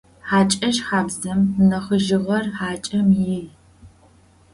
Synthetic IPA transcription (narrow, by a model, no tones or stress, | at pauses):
ħaːt͡ʃʼɐʃħaːbzɐmnɐχəʒɪʁɐrħaːt͡ʃʼɐmji